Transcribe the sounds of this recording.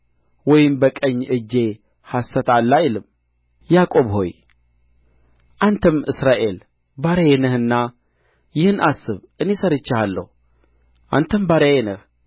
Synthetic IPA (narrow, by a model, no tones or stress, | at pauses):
wɔjɪmbəkʼəɲːɨd͡ʒe̞ | hasːət̪alːajlɨm | jakʼo̞βho̞̰j | ʔant̪ʰəmɨsɾaʔe̞l | baɾəjenəhɨnːa | jɪhɨnʔasːɨβʔɨne̞səɾɨt͡ʃːɪhalːə̰hu | ʔant̪ʰəmbaɾəjenəh